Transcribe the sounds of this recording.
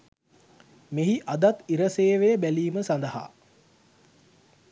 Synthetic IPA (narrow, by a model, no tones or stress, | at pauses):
meɦiʔad̪at̪iɾəseːʋebæliːməsand̪əɦa̰ː